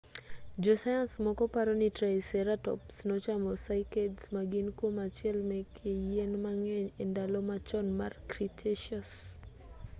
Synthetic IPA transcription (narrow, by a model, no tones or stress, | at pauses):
d͡ʒɔsajansmɔkɔpaɾɔnɪtɾaisɛɾatɔ̰psnɔt͡ʃamɔsajkedsmaɡɪnkwomat͡ʃɪɛlmɛkʰejenmaŋɛɲendalɔmat͡ʃɔnmarkɾitʰeʃɔs